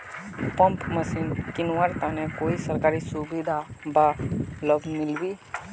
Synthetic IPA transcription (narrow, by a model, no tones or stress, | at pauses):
pə̃mpməsiːnkɪnwaːɾt̪anekoːisəɾkaːɾisubid̪ʱabaləbmɪlbi